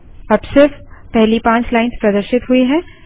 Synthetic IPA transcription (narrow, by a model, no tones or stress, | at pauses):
ɐbsɪɾfpɛɦlipãːt͡ʃlaːɪnspɾɐd̪əɾʃɪt̪ɦʊiɦɛ̃ː